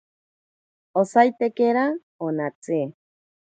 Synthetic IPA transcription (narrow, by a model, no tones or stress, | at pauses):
osajt̪ekeɾa | onat͡se